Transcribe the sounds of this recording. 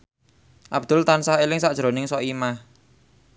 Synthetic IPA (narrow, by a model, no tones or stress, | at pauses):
ʔab̚d̪̥ʊ̤lt̪ansaɦelɪŋsaʔʒ̥ɾo̤nɪŋsɔʔimah